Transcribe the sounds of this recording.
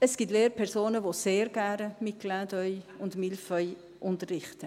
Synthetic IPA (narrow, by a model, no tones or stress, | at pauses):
əsɡ̥iːtleːɾpʰɛɾsoːnəvoseːɾɡænəmɪklaːdœʏʊndmɪlfœʏ | ʔʊntərːɪχtə